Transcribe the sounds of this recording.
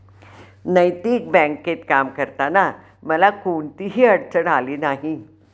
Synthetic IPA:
nəjt̪iːk̚bɛ̃ŋkːet̪kamkəɾt̪ana | məlakoɳt̪iːɦiːəɽt͡səɽaliːnaɦi

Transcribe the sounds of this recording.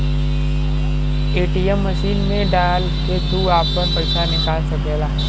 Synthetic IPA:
eːʈijemːəʃiːnmẽɖaːl | ket̪uaːpːəɾpɐɪsanɪkaːlsɐkeːlaː

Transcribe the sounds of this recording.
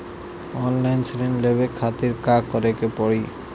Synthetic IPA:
ɔnlajnsʰɾinlebekʰat̪iɾkakɔɾekepɔɽi

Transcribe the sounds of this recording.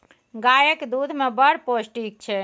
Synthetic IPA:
ɡajəkd̪ud̪ʱmebəɽposʈik̚t͡ʃʰɛ

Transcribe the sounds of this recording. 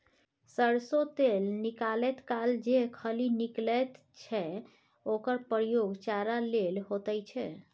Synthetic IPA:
səɾsot̪elnikalɛt̪kald͡ʒeɦkʰəliniklɛt̪ | t͡ʃʰɛ | okəɾpəɾjoɡt͡ʃaɾalelɦot̪əjt͡ʃʰɛ

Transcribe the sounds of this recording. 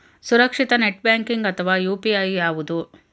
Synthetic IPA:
suɾɐkʂit̪ɐneʈ̚bjaːŋkiŋɡɐt̪ʰɐʋaːjuːpiɐjaːʋud̪u

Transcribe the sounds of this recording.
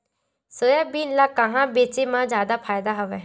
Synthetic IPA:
soːjaːbiːnlaːkaɦãːbeːt͡ʃeːmãːd͡ʒjaːd̪aːpʰaːjd̪aːɦoʋɛː

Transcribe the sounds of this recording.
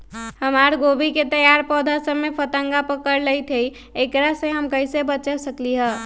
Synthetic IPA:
həmaɾɡobiket̪əjaɾpɔd̪ʱasəbmepʰət̪əŋɡapəkəɾləjt̪ʰej | ekɾasẽɦəmkəɪsebət͡ʃəsəkliɦɛ

